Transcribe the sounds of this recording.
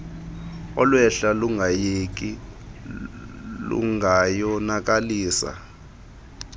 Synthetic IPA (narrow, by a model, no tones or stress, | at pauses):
ɔlwɛɬaluŋɡʱajek̬ʼi | lṵŋajɔnak̬ʼaliːsa̰